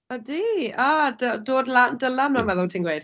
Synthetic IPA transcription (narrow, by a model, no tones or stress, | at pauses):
ɔdiadədoːdlandəlamnamɛðʊlˠtʰiːnɡwejd̥